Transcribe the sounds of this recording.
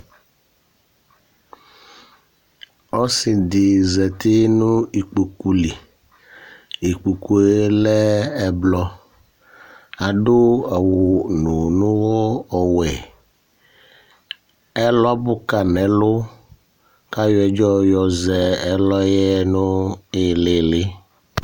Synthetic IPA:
ɔ˦sɪ˨d̪ɪ˨zɛ˨t̪e˦nʊ̃˦i˨k͡pu˨ku˨li˨ | e˨k͡pu˨ku˦e˦lɛ˦ɛ˨blɔ˦ | a˨ɖʊ˦a˨wʊ˨nʊ˨nʊ̃˦wɔ˦ɔ˨wɛ˨ | ɛ˦lɔ˦bʊ˦ka˨nɛ˨lʊ˦ | ka˦jɛ˨d͡ʒɔ˦jɔ˨zɛ˨ɛ˦lɔ˦jɛ˦nʊ˦ɪ˨lɪ˨lɪ˦

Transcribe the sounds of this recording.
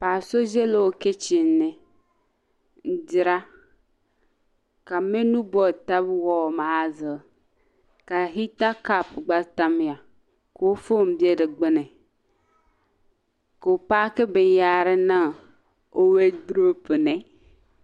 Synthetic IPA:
paː˨so˦ze˦lo˨wo˦ke˦t͡ʃi˨n˦ne˨ | n̩˨d͡ʒi˨ɾa˦ | ka˨me˦nũ˦bɔ˨ta˦bwɔ˦˨ma˨˦zə˨ | ka˨ɦi˦ta˦ka˦˨pɡ͡ba˦ta˦m˦˨a˨ | ko˨wo˦fo˦˨m˨bi˦e˦de˨ɡ͡be˦ne˨ | ko˨o˨paː˦ke˦be˨n˦ja˦ɾe˦nã˦˨ | o˦we˦du˦ɾo˦pə˨nɛ˨˦

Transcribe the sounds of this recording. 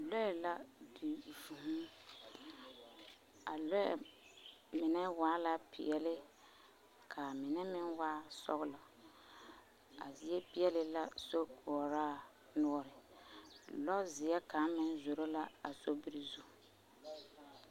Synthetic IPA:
lɔ˦ɛ˨la˦di˨vu˨ɦũ˦ | a˨lɔ˦ɛ̰˨ | mɪ˨nɛ˦waː˦la˦pɪ̰˨ɛ˨lɪ˦ | kʰa˨mɪ˨nɛ˦mɪ˦nwaː˦sɔ˦ɣɪ˦lɔ˨ | a̰˨zi˨ɛ˦pɪ˦ɛ˦lɪ˨la˦so˦ku˨ɔ˨ɾaː˦˨ | nʊ˦ɔ˦ɾɪ˨ | lɔ˦zɪ˨ɛ˦ka˨˦mɪ˦nzo˨ɾo˦la˦a˨so˦bi˦ɾi˨zu˦

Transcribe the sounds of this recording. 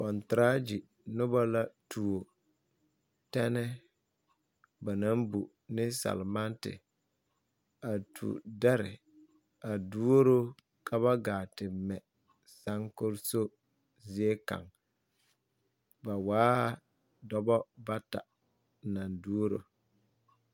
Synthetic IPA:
kɔ˨ntɾa˦d͡ʒi˨ | nʊ˦ba˦la˦tʰu˨o˨ | tɛ˦nɛ˦ | ba˨na˦mbu˨ | nɪ˦sa̰˨lma˦ntɪ̰˨ | a˨tʰṵ˨da˦ɾɪ̰˨ | a˨du˦o˦ɾo˦ | ka˦βa˦ɡaː˨tɪ˨mɛ˨ | sa˦ŋkʊ˦ɾso˦ | zi˦e˦ka̰˨ŋ | ba˨waː˦˨ | dɔ˦bɔ˦ba˦ta̰˨ | na˨ndu˦o˦ɾo̰˨

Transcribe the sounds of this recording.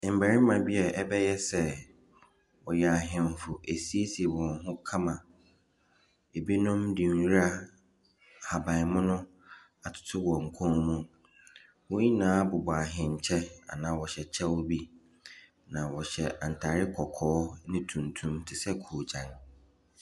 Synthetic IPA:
m̩˨bæ˨ɾɪ˦mã˨bi˦ɛ˨ʔɛ˦bɛ˦jɛ˦sɛ˦ | wɔ˨jɛ˨a˨ɦɪ̃˨m˨fʊ˨ʔe˨si˦e˦si˨ɛ˨wɔ̃˨nɦʊ̃˦kʰã˦mã˨ | e˨bi˦nʊ̃˦mdĩ˨˦ɾa˦ | ha˨bã˨ɪ˨mʊ̃˦nʊ̃˦ | a˨tʰʊ̥˨tʰʊ˦wɔ˨ŋ̩˨kʷʰɔ̃˦mũ˦ | wɔ˦ji˦nãː˦bʊ˨bɔ˨a˨ɦɪ̃˨ɲ̩˨t͡ɕʰɛ˦a̰˨nãː˨˦wɔ˨ɕɛ˨t͡ɕʰɛ˦wɔ˦bi˦ | nã˨wɔ˨ɕɛ˨ã˨n̩˨tʰaː˨ɾɪ˦kʰɔ˨kʰɔː˦nɪ̃˦tʰũ˨ntʰũ˨mtʰɪ˨sɛ˦kʰu˨d͡ʑã˨n

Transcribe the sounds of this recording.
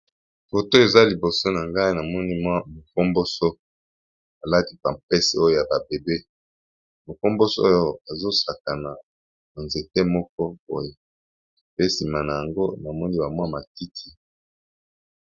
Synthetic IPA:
fo˨to˦e˨za˦li˨bo˨so˦na˨ŋɡa˦i˦na˨mɔ˦ni˦mwa˦mo˨ko˦mbo˦so˦ | a˨la˦ti˦pa˨mpɛ˦se˨o˦jo˦ja˨ba˨be˨be˦ | mo˨ko˦mbo˦so˦o˦jo˦a˨zo˦sa˨ka˨na˨ | ma˨nze˨te˦mɔ˦k̚ɔ˦bo̰˦je˦ | pe˦si˨ma˨na˨ja˨ŋɡo˦na˨mɔ˦ni˦ba˨mwa˦ma˨ti˦tʰi˦

